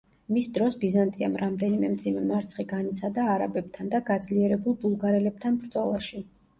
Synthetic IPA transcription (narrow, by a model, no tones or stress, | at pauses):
misd̪ɾɔsbizant̪ʼia̰mɾamd̪ɛnimɛmd̪zimɛmaɾt̪sʰχiɡanit̪sʰad̪aːɾabɛb̥̚t̪ʰand̪aɡad̪zliɛɾɛbulˠbulˠɡaɾɛlɛb̚t̪ʰanbɾd̪zʼɔlˠaʃi